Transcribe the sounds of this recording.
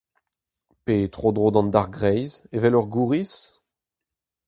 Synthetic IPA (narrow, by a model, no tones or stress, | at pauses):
pet̪χod̪ʁod̪ɑ̃nd̪aʁɡʁɛjzevɛlœʁɡuːʁis